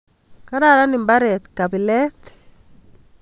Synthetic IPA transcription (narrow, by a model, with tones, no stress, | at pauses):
ka˦ɾaɾa˦ni˨mba˦ɾɛ˨t̪kaβi˨lɛ˦t̪